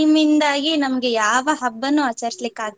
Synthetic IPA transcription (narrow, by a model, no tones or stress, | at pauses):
mind̪aːɡinɐmɐɡe̞jaːʋɐɦɐbːɐnːuɐt͡ʃːɐɾislikːaːɡi